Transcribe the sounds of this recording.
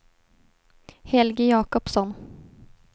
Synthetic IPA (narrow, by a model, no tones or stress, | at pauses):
hɛlɡəjɑːkɔpsɔn